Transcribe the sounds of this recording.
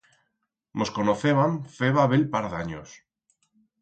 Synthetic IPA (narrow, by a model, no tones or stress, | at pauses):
moskonoθeβamfeβaβelpaɾðaɲo̰s